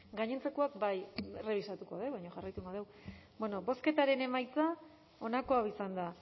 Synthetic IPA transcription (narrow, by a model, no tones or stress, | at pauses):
ɡaɲe̞nt͡se̞ko̞akbajere̞β̞isat̪uko̞ðeβajɲoʝarajt̪uŋɡo̞ðe̞w | bweno̞bo̞ske̞t̪aɾe̞ne̞majt͡sa | o̞nako̞awisand̪a